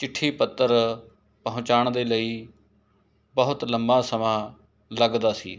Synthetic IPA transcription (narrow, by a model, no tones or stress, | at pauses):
t͡ʃɪʈʰːiːpət̪ːəɾ | pəɦʊ̃t͡ʃaːɳd̪eːləiː | bəɦʊt̪ləmbaːsəmaː | ləɡd̪aːsḭː